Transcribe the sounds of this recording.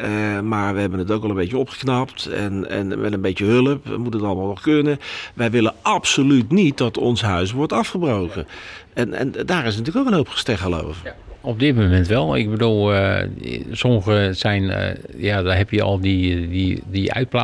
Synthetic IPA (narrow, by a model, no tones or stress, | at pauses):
əmaːɹʋəɦɛbənətowkʋɛlˠə̃mbejt͡ʃəɔpχə̥knɑptɛ̰nɛ̰nmɛ̰tənbejtəɦøləpɛ̰mutənətɑlˠəmaːlˠnɔχkønəʋɛjʋɪləʔɑpsolytnit̚dɑtɔ̰nsɦœɥs̬ʋɔɹtɑfχəbrowkəɛnɛ̰ndaːɾɪsntyːləkowkənɦowpχə̥stɛχəlo̰wf | ɔb̚dɪt̚momɛntʋɛlˠɪ̰ɡ̚bədulˠ | sɔməɣəsɛjn̰jadɦɛpjəɔ̰lˠdididiœ̰ɥt̚pla